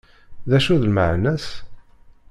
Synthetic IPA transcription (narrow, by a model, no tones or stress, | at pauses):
ðæʃuðlməʕnæs